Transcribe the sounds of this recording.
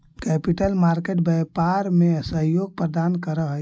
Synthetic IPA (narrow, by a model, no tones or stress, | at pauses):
kɛpiʈəlmaɾkeʈ̚bɛpaɾmeəsəɦjoɡ̚pɾəd̪ankəɾəɦ